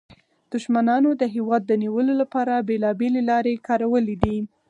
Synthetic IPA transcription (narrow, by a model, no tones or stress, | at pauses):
d̪̥ʊʃmanɑnod̪əɦewɑd̪̚ːəniwəlolapɑɾabelɑbelelɑɾekɑɾawəlid̪i